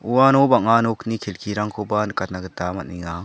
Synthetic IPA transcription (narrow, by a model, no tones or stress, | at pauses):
uwanobaŋanoknikʰelkʰiɾaŋkʰobankat̪̚naɡɯt̪amat̚niŋa